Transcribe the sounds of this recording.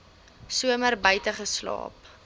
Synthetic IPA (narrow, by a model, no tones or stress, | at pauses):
suəmərbəjtəχəslɑ̰ːp